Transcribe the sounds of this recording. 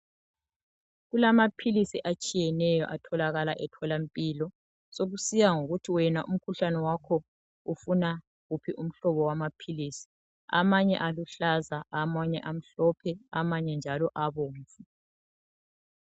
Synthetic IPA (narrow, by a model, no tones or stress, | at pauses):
ɣulamapʰilisiʔat͡ʃʼijɛnɛjɔ̰ʔatʰɔlaɣalaʔɛtʰɔlampʼilɔ | soɣusijaŋoɣutʰiwɛnaʔum̩kʰuɬanɛwakʰɔ | ufuna | ɣupʰiʔum̩ɬɔβɔwamapʰilisi̥ | a̰maɲɛ̰ʔaluɬazaamaɲɛʔam̩ɬɔpʰɛamaɲɛnd͡ʒʱalɔʔaβoːɱfu